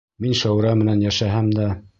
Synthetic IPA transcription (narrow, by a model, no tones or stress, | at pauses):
minʃæwɾɑmɘ̆nænjæʃæɦæmd̪æ